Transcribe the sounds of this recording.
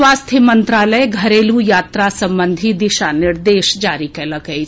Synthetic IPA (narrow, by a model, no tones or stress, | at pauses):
waːst̪ʰjimənt̪ɾaːləeɡʱɐɾeːlujaːt̪ɾasɐ̃mbə̃nd̪ʱid̪ɪʃanɪɾd̪eːʃd͡ʒaːɾikeləkəi